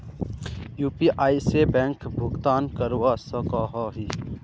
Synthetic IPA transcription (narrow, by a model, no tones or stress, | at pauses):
juːpiʔaːisebɛ̃ːŋkbʱʊɡt̪aːnkəɾwaːsɐkaːɦaːɦi